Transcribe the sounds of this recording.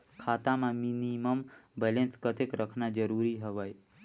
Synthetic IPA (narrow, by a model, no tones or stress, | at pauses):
kʰat̪amãminiməmbɛlẽnskət̪ekɾʔəkʰnad͡ʒəɾuɾiɦəʋəj